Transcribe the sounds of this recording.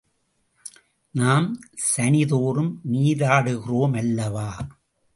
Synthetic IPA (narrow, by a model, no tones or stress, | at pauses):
naːmsɐnɪðoːɾɯmːiːðaːɽɯɣɪroːmɐlːɐʋaː